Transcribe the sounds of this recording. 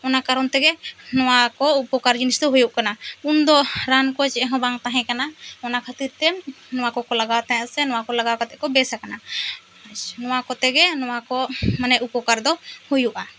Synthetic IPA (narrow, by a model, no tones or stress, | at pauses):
ɔnakaɾɔnt̪ɛɡɛnɔwakɔupɔkaɾd͡ʒinisd̪ɔɦujuʔkanaund̪ɔɾankɔt͡ʃɛɛɦɔ̃baŋt̪aɦɛ̃kanaɔnakʰət̪iɾt̪ɛ | nɔwakɔkɔlaɡat̪ãjãʔsɛnɔ̃wakɔlaɡakat̪ɛʔkɔbɛsakana | at͡ʃnɔ̃wakɔt̪ɛɡɛnɔwakɔmanɛʔupɔkaɾd̪ɔhujuʔa